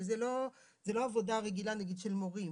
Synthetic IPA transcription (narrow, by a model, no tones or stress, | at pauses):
zelo̞ | zelo̞avod̪aʁeɡilanaɡid̪ʃelmoʁi